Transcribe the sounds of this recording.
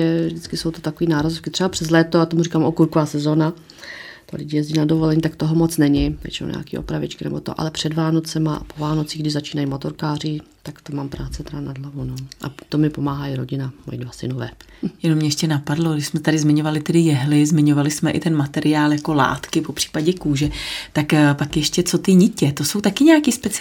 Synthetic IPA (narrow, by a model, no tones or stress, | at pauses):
ɛvʒdɪt͡skɪso̞wt̪ot̪akoviːnaːɾazofkɪt̪r̥ɛbapr̝̥ɛzlɛːt̪oat̪omurikaːmʔokuɾkovaːsɛzo̞ːna | t̪o̰lɪ̰ɟɪjɛzɟiːnadovolɛɲiːt̪akt̪oɦomot͡snɛɲɪvjɛ̰t͡ʃɛno̰ɲa̰ːkḭːʔo̰pɾavɪ̰t͡ʃkɪnɛ̰bot̪oʔa̰lɛpr̝̥ɛdvaːno̞t͡sɛmaa̰povaːno̞t͡siːɣɡdɪʒzat͡ʃiːnajmo̞t̪o̞ɾkaːrɪ | t̪akt̪omaːmpɾaːt͡sɛt̪ɛdanadlavunoʔa̰t̪omɪpomaːɦaiɾoɟɪnamo̰jɪdvasɪnovɛː | jɛnomɲɛjʃcɛnapadlo̞ɡdɪʃsmɛt̪adɪzmɪɲo̞valɪt̪ɛdɪjɛɦlɪzmɪɲo̞valɪsmɛʔɪ̰t̪ɛnmat̪ɛɾʔɪaːljako̞la̰ːt̪kɪpo̞pr̥i̥ːpaɟɛkuːʒɛt̪akpakjɛʃcɛt͡so̞t̪ɪɲɪcɛt̪oso̞wt̪akɪɲɛakispɛt͡s